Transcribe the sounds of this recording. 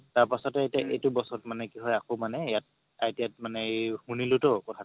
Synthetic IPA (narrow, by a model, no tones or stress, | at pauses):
taɹpasɔtɛetiaʔejtʊbɔsɔtmanɛkiɦɔjakomanɛjat̚ | atijat̚manɛhunilʊtokɔtʰa